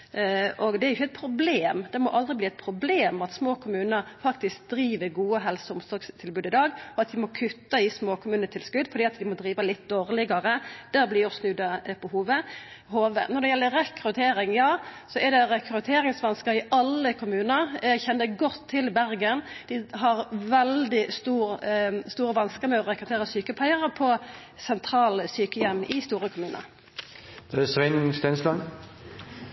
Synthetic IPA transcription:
ʔɔɡd̪ɛæɾjʊçːɛɪt̪̚pʰɾʊbleːmd̪ɛmɔʔɑld̪ɾɪbliːɛt̪̚pʰɾʊbleːmɑt̪smoːkʰʊmʉːnəɾfɑkt̪ɪsk̚d̪ɾiːʋəɾɡuːəɦɛlsəʊmsɔɾɡst̪ʰɪlbʉːd̪ɪd̪ɑːɡɔɑt̪d̪ɪmɔkʰʉt̪ːɑɪsmoːkʰʊmʉːnət̪ʰɪlskʉd̪fɔɾd̪iːɑt̪d̪ɪmɔd̪ɾiːʋɑlɪt̪̚d̪oːʁlɪɡɑɾəd̪̥æːɾblɪjɔsnʉd̪ɑpʰɔhuːʋə | hoːʋə̰nɔɾd̪ɛjɛlːəʁɛkɾʉt̪ʰeːɾɪŋjɑːsɔɛɾd̪ɛɾɛkʰɾʉt̪ʰeːɾɪŋsʋɑnskəɾɪɑlːəkʰʊmʉːnəɾjæɡçɛnːəɡɔt̪ʰːɪlbæɾɡənd̪̥ɪɦɑʁʋɛld̪ɪst̪uːɾst̪uːɾəʋɑnskəmɛɔɾɛkɾʉt̪ʰeːɾʁəsyːkəpʰæɪəʁpʰɔ | sɛnt̪ʰɾɑːlsyːkəjɛmːɪst̪uːɾəkʰʊmʉːnə̰ | d̪̥ɛsʋɪnst̪ɛnslɑŋ

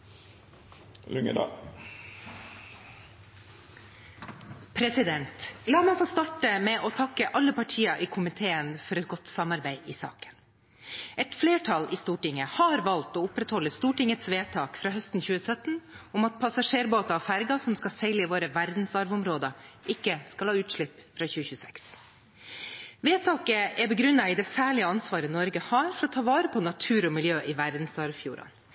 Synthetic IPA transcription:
lʉŋə̰d̪ɑ̰ | pʰɾɛsɪd̪ɛnt̪lɑːmɛɪfoːst̪ɑʈəmɛʔɔːt̪ʰɑkəʔɑlːəpɑʈʰiːɑʔiːkʰʊmɪt̪ʰeːənfɔɾɛt̪̚ɡɔt̪sɑmɑɾbæɪʔiːsɑ̰ːkə̥n | ʔɛt̪fleːʈʰɑliːst̪uːʈɪŋəhɑɾʋɑlt̪oːʊpɾɛt̪hɔlːəst̪uːʈɪŋət̪sʋeːt̪ʰɑːkfɾɑːhœst̪n̩çʉːəsœt̪n̩ | ʊmɑt̪̚pʰɑsɑʂeːɾboːt̪ɑɔfæɾɡɑsɔmskɑsɛlːəʋoːɾəʋæɾd̪n̩sɑɾʋʊmɾoːd̪ɑʔɪkːəskɑlhɑːʉːt̪ʂɭɪpːfɾɑːçʉːəçʉːəsɛks | ʋeːt̪ʰɑːkəɛbəɡɾʉnːɑɪd̪ɛsæːɭɪəɑnsʋɑːɾənɔɾɡəhɑːɾfɔɾɔt̪ʰɑːʋɑːɾəpʰɔnɑt̪ʰʉːɾɔmɪljøːʔɪʋæɾd̪n̩sɑɾʋfjṵːɾɑ̰n

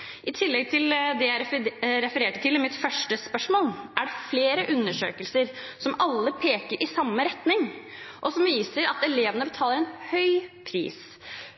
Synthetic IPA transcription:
ʔɪt̪ʰɪlːɛɡ̚t̪ʰɪld̪ɛjæɪɾɛfəɾeːʈət̪ɪlːmɪt̪fœʂʈəspœʂmoːlʔæɖɛfleːɾəʔʉnːəʂø̰ːkəlsəɾ | sɔmɑlːəpʰeːkəɾʔɪsɑmːəɾɛt̪nɪŋ | ʔɔsɔmʋiːsəɾɑt̪ɛleːʋənəbət̪ʰɑːləɾɛnhœʏpʰɾḭːs

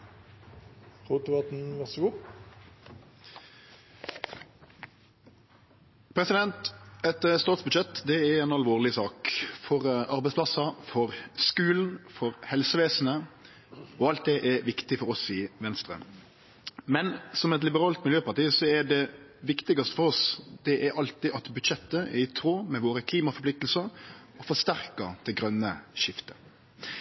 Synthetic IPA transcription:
ʁuːt̪əʋɑt̪̩ʋɛsu | pʰɾɛsɪd̪ɛnt̪ɛt̪əst̪ɑːt̪sbʉd̪ʃɛt̪ːd̪ɛɛɾɛɪnɑlʋoːʁlɪsɑːkfɔʁʔɑɾbɛɪsplɑsɑfɔʁskʉːln̩fɔʁhɛlsəʋeːsn̩ə | ɔɑlt̪̚d̪ɛʔɛɾʋɪkt̪ɪfɔɾɔsɪʋɛnst̪ɾə̰ | mɛnsɔmɛt̪lɪbəɾɑːlt̪mɪljøːpɑʈiːsɔɛɖɛ | ʋɪkt̪ɪɡɑst̪ə̥fɔɾɔsd̪̥ɛʔæɾʔɑlt̪ɪʔɑt̪bʉd̪ʃɛt̪ːəɛ̰ɾɪt̪ʰɾoːmɛʋoːɾəkʰliːmɑfɔɾplɪk̚t̪əl̩səɾɔfɔʂt̪æɾkəd̪̥ɛɡɾœnːəʃɪft̪ə̥

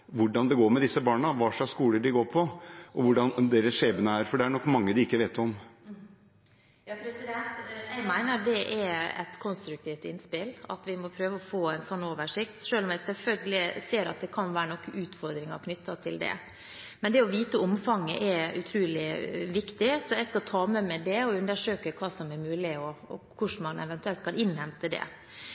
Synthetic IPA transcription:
ʋʊɖɑnd̪ɛɡoːɾmɛd̪ɪsːəbɑːɳəʋɑːʂɑkskuːləɖɪɡoːɾpʰɔʔɔʋʊɖɑnd̪eːɾəsʂeːbənəæɾfɔɖɛæɳɔkːmɑŋːəd̪ɪɪkːəʋeːt̪ɔm | jɑpɾɛsɪd̪ɛnt̪ɛɡmæɪnəɾd̪ɛʔɛɛ̰t̪kʰɔnst̪ɾʉk̚t̪ʰiːft̪ɪnːspɪlɑ̰t̪ʋɪmɔpʰɾøːʋəɔfoːæɪnsɔnːoːʋəʂɪkt̪ʂøːlɔmæsɛlfœlɡəlɪseːɾɑ̰t̪̚d̪ɛkʰɑnʋæːɾənɔkːəʔʉːt̪fɔɾd̪ɾɪŋɑ̰ɾkʰnʏt̪ːɑt̪ʰɪld̪ɛ̰ | mɛnd̪ɛɔʋiːt̪əɔmfɑŋːə̰ʔɛʉ̰t̪ʰɾʉːlɪʋɪkt̪ɪsɔjɛɪskɑt̪ʰɑːmɛmæd̪ɛɔʉnd̪əʂøːkəkʰʋɑːsɔmɛɾmʉːlɪɔkʰʊʂmɑnɛ̰ʋɛnt̪ʉɛlt̪kʰɑnɪnhɛmt̪əd̪ɛ̰

